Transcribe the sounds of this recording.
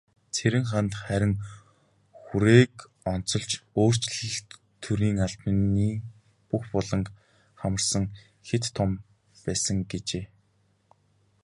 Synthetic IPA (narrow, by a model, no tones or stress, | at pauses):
t͡sʰeɾɘ̆ŋχant̪χæɾʲɪ̆ŋ | xuɾeːk | ɔn̥t͡sɞ̆ɮt͡ɕoːr̥t͡ɕɮə̆ɬt̪ | t̪ʰːuɾiːŋaɮt̪niː | puxpɔɮɞ̆ŋk | χamə̆rsə̆ŋ | xet̪ʰːɔm | pæːsə̆ŋɡet͡ɕeː